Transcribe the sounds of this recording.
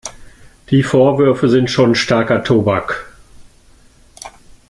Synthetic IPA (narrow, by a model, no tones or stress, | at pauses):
d̥iːfoːɐvʏɐfəzɪntʃoːnʃtaɐkɐtʰoːbak